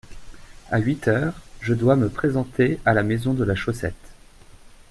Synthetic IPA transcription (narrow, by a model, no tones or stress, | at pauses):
aɥit̪ʰœːʁʒəd̪waməpχezɑ̃t̪ealamezɔ̃d̪əlaʃosɛ̰t̪